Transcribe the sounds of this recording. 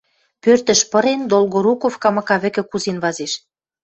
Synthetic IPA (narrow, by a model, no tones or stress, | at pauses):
pørt̪ə̆ʃpɤ̆ɾend̪olɣoɾukofkɑmɑkɑβɘ̆kɘ̆kuzenβɑzeʃ